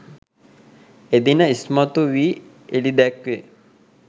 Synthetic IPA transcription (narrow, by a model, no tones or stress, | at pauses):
ed̪inəismat̪uʋiː | elid̪ɛkʋe